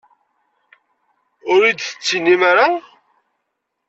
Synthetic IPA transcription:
ʊɾid̪θə̥t͡sːinːimaɾa

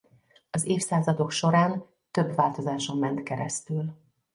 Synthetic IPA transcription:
ɒzeːfsaːzɒd̪o̞kʃo̞ɾaːn | t̪ø̞bvaːlt̪o̞zaːʃo̞mːɛnt̪kɛɾɛ̰st̪yl

